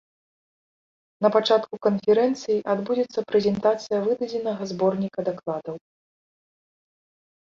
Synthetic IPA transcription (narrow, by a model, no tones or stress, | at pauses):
nɐpat͡ʂat̪kukɐnfʲɛɾɛnt̪sɨjiʔad̪bud͡zʲɛt̪sːɐpɾɛzʲɛnt̪at̪sɨjɐvɨd̪ɐd͡zʲɛnɐɣɐzbɔrnʲikɐd̪aklˠad̪ɐw